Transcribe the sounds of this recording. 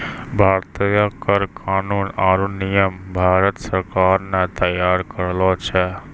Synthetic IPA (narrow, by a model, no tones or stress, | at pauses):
bʱaːɾt̪ijakəɾkʰaːnuːnaːɾunijəmbʱaːɾət̪səɾkaːɾnɛt̪əjaːɾkəɾlɔt͡ʃʰɛ